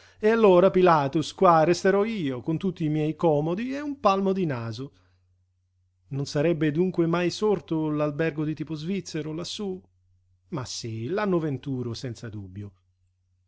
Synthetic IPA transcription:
ealːoːɾapilaːt̪uskwarest̪eɾɔiːokont̪ut̪ːiːmjɛjkɔːmod̪ieumpalmod̪inaːzʊ | nonsaɾɛbːed̪uŋkwemajsort̪olalbɛrɡod̪it̪iːpozvit̪sːeɾolasːu | masːilanːʊvent̪uːɾosɛnt̪sad̪ubːjo

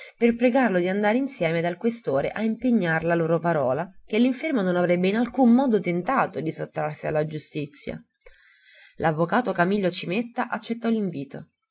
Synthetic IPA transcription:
perpɾeɡarlod̪iand̪aːɾeinsjɛːmed̪alkwest̪oːɾḛʔaimpeɲːaɾlaloːɾopaɾɔːlakelːiɱfermononavɾɛbːeinalkumːɔːd̪ot̪ent̪aːt̪od̪isot̪ːɾarsia̰lːad͡ʒust̪it̪sːja̰ | lʔavːokaːt̪okamilːot͡ʃimet̪ːaʔat͡ʃːet̪ːɔliɱviːt̪o

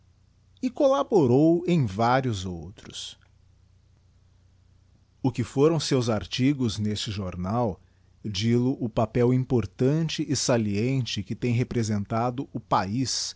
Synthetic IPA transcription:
ɪkolaboɾowẽj̃vaɾjʊzowt̪ɾʊs | ʊkɪfoɾɐ̃w̃sewzaɾt͡ʃiɡʊznest͡ʃɪʒoɾnaw | d͡ʒilʊʔʊpapɛwĩpoɾt̪ɐ̃nt͡ʃɪʔɪsaliẽnt͡ʃɪkɪt̪ẽj̃ɦepɾezẽnt̪ad̪ʊʔʊpais

